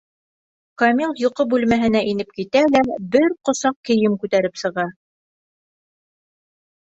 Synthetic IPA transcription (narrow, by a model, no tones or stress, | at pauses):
kɐmilˠjŏqɤbʉlmæɦɘ̆n̪æʔinɘp̚kit̪ælæbɘɾqŏsɑq̚kɘ̆jɘmkʉt̪æɾɘpsɤ̆ʁɑ